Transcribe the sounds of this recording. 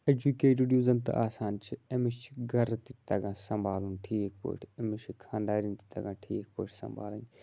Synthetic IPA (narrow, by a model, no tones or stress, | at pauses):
ed͡ʒukeːʈiɖjuːzɐnt̪ɐ̰ʔaːsaːnt͡ʃʰiɐmiʃt͡ʃʰi̥ɡʱɐɾt̪it̪ɐɡãːsɐ̃mbaːlunʈʰiːk̚ʰpo̰ːʈʰemiʃʰikʰãːnd̪aːɾint̪i̥t̪ɐ̰ɡãːʈʰiːk̚poːʈʰsɐ̰mba̰ːlɐɲ